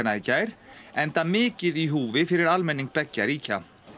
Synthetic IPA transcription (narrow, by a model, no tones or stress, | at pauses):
anaicːajɾ̥ɛnt̪amɪːcɪðiɦuːvɪfɪɾɪɾalmɛnːiŋk̚pɛcːaɾiːca